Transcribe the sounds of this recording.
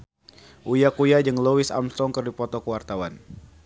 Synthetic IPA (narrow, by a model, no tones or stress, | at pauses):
ʔujakujad͡ʒəŋlowɪsa̰mst̪ɔŋkərdipɔt̪ɔkəwart̪awan